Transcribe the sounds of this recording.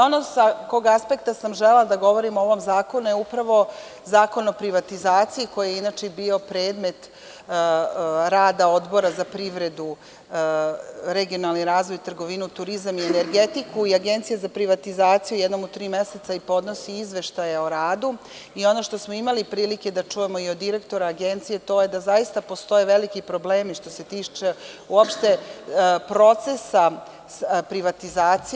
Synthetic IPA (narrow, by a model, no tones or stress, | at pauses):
onosako̞ɡaspe̞k̚t̪asamʒelelad̪aɡo̞ʋo̞ɾimooʋo̞mzaːko̞nujeupɾaʋo̞ | zaːko̞no̞pɾiʋat̪izaːt̪siiko̞jijeinaːt͡ʃebiːo̞pɾe̞ːd̪me̞t̪ | ɾaːd̪ao̞d̪bo̞ɾazapɾiʋɾe̞d̪u | ɾe̞ɡio̞nalniɾaːzʋojt̪r̩ɡo̞ʋinut̪uɾizamiene̞ɾɡe̞t̪ikuiaɡe̞nt̪sijazapɾiʋat̪izaːt̪sijujed̪nomut̪ɾiːme̞set̪saipo̞d̪no̞siizʋe̞ʃt̪ajeo̞ɾaːd̪u | io̞no̞ʃt̪o̞smo̞imalipɾiːlike̞d̪at͡ʂuje̞moiod̪ːiɾe̞kt̪o̞ɾaːɡe̞nt̪sije̞t̪o̞ːje̞d̪azajist̪apo̞st̪o̞je̞ʋelikipɾo̞bleːmiʃt̪o̞se̞t̪iːt͡ʃe | uopʃt̪e̞ | pɾo̞t̪se̞sa | pɾiʋat̪izaːt̪si